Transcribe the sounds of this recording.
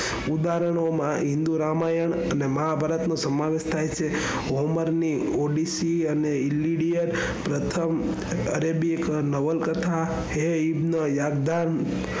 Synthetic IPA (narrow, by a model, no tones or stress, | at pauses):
ud̪aɾəɳ̃omãɦĩnd̪uɾamajəɳəneməɦabʱaɾət̪nõsəmaʋeʃt̪ʰajt͡ʃʰe | oməɾni | oɖisiəneilːiɽijəɾ | pɾət̪ʰəm | ə̰ɾebiknəʋəlkət̪ʰa | ɦeibnəjaɡd̪an